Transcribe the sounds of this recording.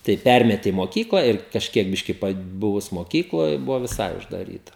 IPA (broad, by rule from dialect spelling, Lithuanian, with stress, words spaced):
tɐɪ ˈpʲɛrʲmʲɛtʲɪ ɪ moːˈkʲiːklˠɐ ɪr kɐʃʲˈkʲiɛk ˈbʲɪʃʲkʲɪ pɐˈbʊʋʊs moːˈkʲiːklˠoːj ˈbʊʋoː ʋʲɪˈsɐɪ ʊʒdɐˈrʲiːtɐ